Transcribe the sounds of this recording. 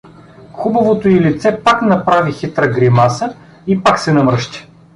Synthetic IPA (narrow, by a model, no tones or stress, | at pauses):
xubɐvot̪oilit̪sɛpaknɐpɾavixit̪ɾəɡɾimasə | ipaksɛnɐmɾɤʃt̪i̥